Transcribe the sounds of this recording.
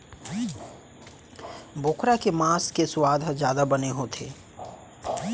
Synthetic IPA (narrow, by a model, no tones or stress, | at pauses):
bʱoːkɾakemaːskesʊwaːd̪ʱd͡ʒjaːd̪abəneɦot̪ʰḛː